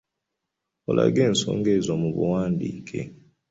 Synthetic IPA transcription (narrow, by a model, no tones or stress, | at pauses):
ola̰ɡɛn̩sɔ̰ŋɡɛzwamuβuwaːndikʰe